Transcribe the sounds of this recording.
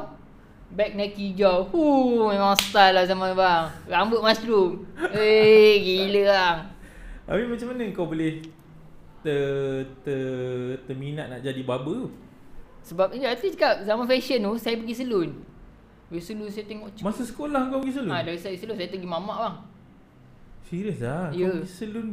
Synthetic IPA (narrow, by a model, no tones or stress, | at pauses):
bɛk̚nakid͡ʒawhumamãŋst̪alahzamãnbaŋɾambəʔ̚mast̪ɾumeɡiləaŋapimat͡ʃamanəəŋkawboleh | t̪ət̪ət̪əminaʔ̪̚naʔd͡ʒadibabəu | səbap̚iat̪it͡ʃəkap̚zamanfɛʃənusajapəɡisəlun | ɾisəlusajat̪eŋɔʔt͡ʃmasasə̥kolahəŋkawbəɡis̬əluadaɾisaisəlunsajət̪əɡimamaʔbaŋ | siɾiəslaŋjkəɡisəlun